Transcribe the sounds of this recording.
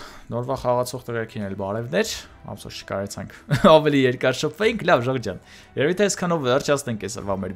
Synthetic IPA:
nɔɾvɑχɑʁɑt͡sʰɔʁt̪əʁɑɾkʰinɛlbɑɾɛvnɛɾɑ̰msɔ̰ɾt͡ʃʰə̥kɑɾɛt͡sʰɑŋkʰɑvɛlijɛɾkɑɾʃəpʰvɛjiŋkʰlɑvʒəʁd͡ʒɑn | jɛvit̪ʰɛːskʰɑnɔvvɛrt͡ʃʰɑt͡sʰnɛŋkʰɛsə̰ɾvɑmɛɾ

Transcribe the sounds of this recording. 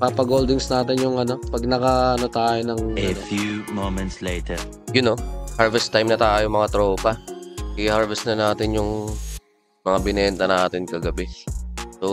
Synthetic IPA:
papɐɡoːld̪ɪŋsnaːt̪ɪnjʊŋʔɐno̞pɐɡ̚nɐkɐɐnot̪aːjonɐŋefjumomɛ̃nt̪sleɪt̪ʰɛɹ | jʊno̞haɹvɛst̪ajmnɐt̪aːjomɐŋat̪ɾopɐʔɪhaɹvɛst̪nɐnaːt̪ɪnjʊŋ | mɐŋabɪnɛnt̪ɐnaːt̪ɪnkɐɡɐbɛso

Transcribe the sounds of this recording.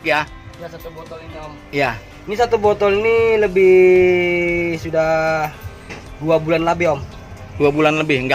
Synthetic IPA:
ja | ɡasat̪ubɔt̪ɔliniɔm | ja | inisat̪ubɔt̪ɔlniləbɪh | sudah | duabulanlabɪhɔm | d̥uabulanləbɪhŋɡa

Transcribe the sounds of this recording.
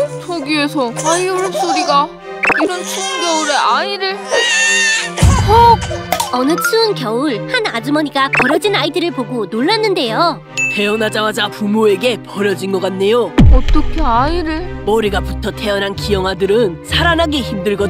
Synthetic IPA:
t͡ɕʰʌɡie̞sʰʌaioɾs͈oɾiɡa | iɾʌnt͡ɕʰunɡjʌuɾe̞aiɾɯɭe | kokʌnɯt͡ɕʰuːnkjʌuɭhanad͡ʑumʌɲiɡapʌɾjʌd͡ʑinaidɯɾɯɭpoɡonoɭːanːɯnde̞jo | te̞ʌnad͡ʑamad͡ʑapumoe̞ɡe̞pʌɾjʌd͡ʑinɡʌk͈anːe̞joʌt͈ʌkʰe̞aiɾɯɭmʌɾiɡaputʰʌtʰe̞ʌnankijʌŋɦadɯɾɯnsʰaɾanɦaɡeçimdɯɭɡʌ

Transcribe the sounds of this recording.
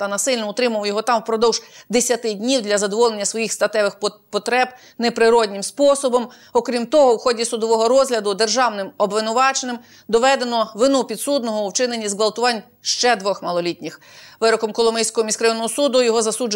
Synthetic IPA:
t̪ɐnɐsɪlʲnɔʊt̪ɾɪmɐwjɔɦɔt̪ɑmwpɾɔd̪ɔwʒ̥d̪esʲɐt̪ɪdʲnʲiwd̪lʲɐzɐd̪ɔʋɔlˠenʲːɐsʋɔjixst̪ɐt̪ɛʋɪxpɔt̪ɾɛb | nepɾɪɾɔdʲnʲɪmspɔsɔbɔm | ɔkɾʲimt̪ɔɦɔwxɔdʲisʊd̪ɔʋɔɦɔɾɔzɦlʲɐd̪ʊd̪e̞rʒɑwnɪmɔbʋɪnʊʋɑt͡ʃenɪm | d̪ɔʋɛd̪e̞nɔʋɪnupʲid̪sud̪nɔɦɔwt͡ʃɪnenʲizɡʋɐlˠt̪ʊʋɑnʲ | ʃt͡ʃɛd̪ʋɔxmɐlˠɔlʲit̪ʲnʲɪxʋɪɾɔkɔmkɔlˠɔmɛjsʲkɔɦɔmʲiskɾɐjinɔɦɔsud̪ʊjɔɦɔzɐsud͡ʒ

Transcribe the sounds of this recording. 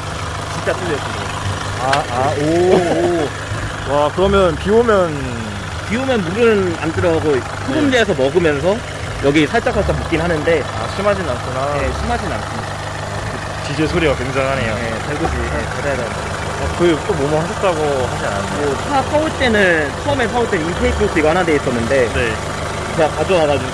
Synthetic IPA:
t͡ɕint͡ɕ͈atʰɯlːekoɡo | aao | wakɯɾʌmjʌnpiomjʌn | piumjʌnmuɾɯna̰ndɯɾʌɡo | sʰuɡɯmd͡ʑeesʰʌmʌɡɯmjʌns̬ʰʌ | jʌɡisʰaɭt͡ɕ͈akʰaɭt͡ɕ͈amuk͈inɦanɯnde̞a̰ɕʰimɦad͡ʑinansʰɯnajeɕʰimɦad͡ʑinans͈ɯɲida | kɯ | t͡ɕid͡ʑesʰoɾiɡakwe̞ŋd͡ʑaŋɦane̞joje̞taɭɡud͡ʑije̞kad͡ʑajadenndaooakɯt͈omomuɦaɕʰʌt̚t͈aɡohad͡ʑia̰nasosʰasʰauɭt͈e̞nɯnt͡ɕʰʌʌme̞s̬ʰauɭt͈enniitʰeikʰosʰiɡanade̞is͈ʌnːɯnde̞ne̞ | eɡakad͡ʑʌaɡad͡ʑu

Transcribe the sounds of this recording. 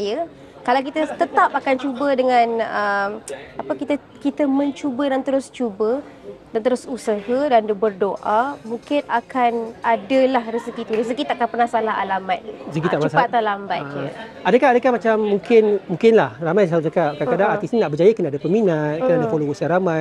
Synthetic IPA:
ajə | kalawkit̪ət̪ət̪ap̚akant͡ʃubədəŋãnəmapəkit̪ə | kit̪əmə̃ɲt͡ʃubədant̪əɾʊst͡ʃubə | dant̪əɾʊsusəhədandəbərdoʔamũŋkɪnakanadəlahrəsəkit̪uɾəs̬əkit̪aʔakanpərnasalaɦa̰lamat̪̚səkit̪aʔmasaat̪alambat̪̚ʔadəkahadəkahmat͡ʃamːũŋkɪnmũŋkɪnlahramajsaɾud͡ʒakap̚kakadaŋat̪isninaʔbərd͡ʒajəkənaʔadəpəminat̪̚kənadafolosaɾamãj

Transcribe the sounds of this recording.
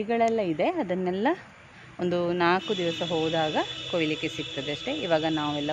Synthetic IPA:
iɡɐɭɛlːɐid̪e̞ɐd̪ɐnːɛlːɐ | ond̪unaːkud̪iʋɐsɐɦoːd̪aːɡɐkojlike̞sik̚t̪ɐd̪eɐʂʈe̞ʔiʋaːɡɐnaːʋɛlːɐ

